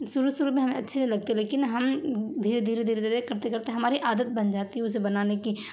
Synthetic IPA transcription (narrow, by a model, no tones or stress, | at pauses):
sʊɾusʊɾumĩɦɐmẽɐtːʃʰelɐɡ̚t̪eɦɛleːkɪnɦɐmd̪ʱiːɾed̪ʱiːɾed̪ʱiːɾed̪ʱiːekɐɾt̪ekɐɾt̪eɦɛ̃ɦɐmaːɾiʔaːd̪ət̪̚bɐnd͡ʒaːt̪iɦɛʊs̬ebɐnaːneki